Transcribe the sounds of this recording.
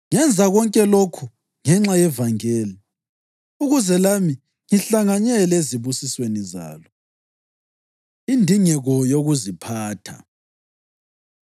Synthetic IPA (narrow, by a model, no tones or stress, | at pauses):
ŋɛnd͡zʱaɣɔŋkʼɛlokʰu | ŋɛŋ͡ǁajɛvaŋɛːlɛ | uɣuzɛlami | ŋiɬaŋaɲɛleziβusisweniza̰ːlɔ | indʱiŋɛɣɔjoɣuzipʰaːtʰa̰